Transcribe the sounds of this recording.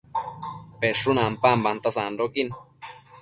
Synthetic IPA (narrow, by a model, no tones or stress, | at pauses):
peʂunãmpambant̪asanɾokin